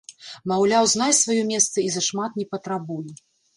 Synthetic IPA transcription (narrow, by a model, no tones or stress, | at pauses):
mawlʲawznajʲsvajɔmʲɛst̪sɐizɐʂmat̪nʲɛpɐt̪ɾabuju